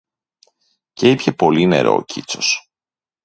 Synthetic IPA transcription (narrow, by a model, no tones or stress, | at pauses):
ce̞ipçe̞po̞line̞̰ɾo̞̰ːcʰit͡so̞s